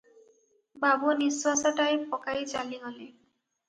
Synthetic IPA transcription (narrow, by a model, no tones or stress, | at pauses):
babuniswasaʈajpɔkajd͡ʒaliɡɔle